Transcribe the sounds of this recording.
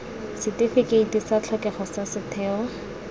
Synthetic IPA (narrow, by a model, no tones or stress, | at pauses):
sɪtifɪkeitisat͡ɬʰɔkɛχɔsasɪtʰɛːwa